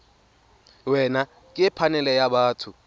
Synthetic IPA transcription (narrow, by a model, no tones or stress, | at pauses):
wɛna | kʼiɛpʰanɛlɛjaɓaːtʰu